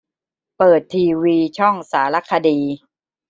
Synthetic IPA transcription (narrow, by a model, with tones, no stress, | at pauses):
pɤː˨˩t̪ʰːiː˧wiː˧t͡ɕʰɔ˥˩ŋsaː˩˦la˦˥kʰːa˧diː˧